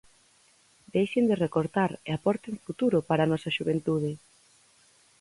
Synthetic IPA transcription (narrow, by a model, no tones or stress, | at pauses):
d̪ejʃend̪erekoɾt̪aɾeapɔɾt̪eŋfut̪uɾʊpaɾanɔsɐʃuβent̪uð̞ɪ